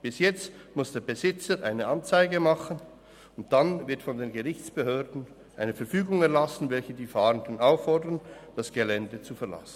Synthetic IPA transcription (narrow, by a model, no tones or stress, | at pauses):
b̥ɪsjɛt͡stmʊsd̥eːɐbəzɪt͡səɾʔaɪnəʔɑnt͡saɪɡəmɑχən | ʊnt̚d̥anvɪɐtfɔndeːnɡəʁɪçt͡sb̥əɦøːɐdn̩ | ʔaɪnəfɛɐfyːɡʊŋɛɐlasn̩vɛlçədiːfɑːʁəndənaʊfɔɐdənd̥asɡ̥elɛndət͡sufɛɐla̰sn̩